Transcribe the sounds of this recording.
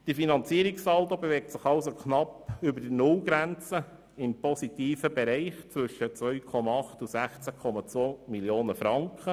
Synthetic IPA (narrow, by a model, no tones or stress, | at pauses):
d̥ifinɑnt͡siəɾiksɑlt̪obevɛk̚tsɪχɑlsokχnɑpʏbəd̥inʊlɡɾɛnt͡sə | ɪmpɔsitiːfəbɛɾɛɪχt͡sʋʏʃət͡sʋœʏkʰɔmɑɑχtʊsæχt͡sækʰɔmɑt͡sʋoːmiljoːnəfɾɑŋkχə